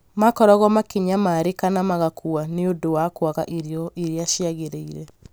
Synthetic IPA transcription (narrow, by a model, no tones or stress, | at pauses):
makɔɾɔɣɔmakiɲamaɾekanamaɣakʰuaneodowakwaɣaʔiɾeɔiɾeaʃiaɣeɾeiɾɛ